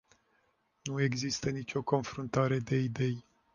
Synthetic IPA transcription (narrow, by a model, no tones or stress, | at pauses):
nue̞ɡzist̪ənit͡ʃʲo̞ko̞nfɾunt̪aɾe̞d̪e̞id̪e̞j